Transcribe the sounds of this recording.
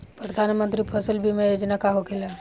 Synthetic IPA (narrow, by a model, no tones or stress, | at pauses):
pɾəd̪ʱanmənt̪ɾipʰəsəlbʱimejod͡ʒnakaɦokela